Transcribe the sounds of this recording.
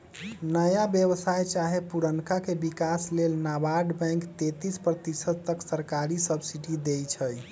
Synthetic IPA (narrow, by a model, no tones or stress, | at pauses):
nəjabjəbəsajt͡ʃaɦepuɾənkakebikaslelnabaɖbɛ̃ŋkt̪et̪ispɾət̪isəd̪̚t̪əksəɾkaɾisəbsiʈid̪ejt͡ʃʰəj